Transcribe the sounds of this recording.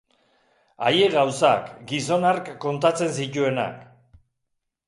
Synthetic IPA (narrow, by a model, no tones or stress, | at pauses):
aje̞ɣawsa̰kɡiso̞naɾkːo̞nt̪at͡se̞nsic̪ue̞na̰k